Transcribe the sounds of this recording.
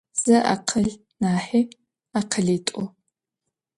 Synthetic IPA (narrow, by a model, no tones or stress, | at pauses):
z̥ɐʔa̰qʰɐɮ | naːħiː | aqʰəɮiːtʷʼʊ